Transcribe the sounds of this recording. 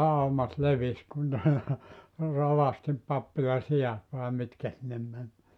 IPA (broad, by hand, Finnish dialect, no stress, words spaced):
ɑumɑt leʋis kun ne roʋɑstim pɑpːilɑ siɑt ʋɑˑe mitkæ sinːem mæn